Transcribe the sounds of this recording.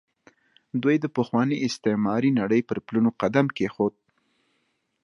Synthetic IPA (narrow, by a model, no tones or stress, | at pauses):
d̪wujd̪əpəxwɑniʔɪst̪ɪmɑɾinaɽəjpəɾplunoqad̪amkexod̪̚